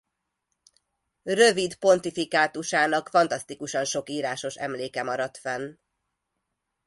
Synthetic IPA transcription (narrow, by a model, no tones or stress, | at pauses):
rø̞vid̪po̞nt̪ifikaːt̪uʃaːnɒkfɒnt̪ɒst̪ikuʃɒnʃo̞kiːɾaːʃo̞ʃɛ̰mleːkɛmɒɾɒt̪fɛn